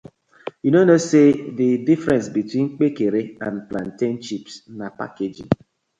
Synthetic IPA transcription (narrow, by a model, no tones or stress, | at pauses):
junonoseðidifɾɛ̃nsbitwĩŋ͡m̩k͡pekeɾeãnpla̰n̩tent͡ʃipsnapa̰ked͡ʒɪ̰ŋ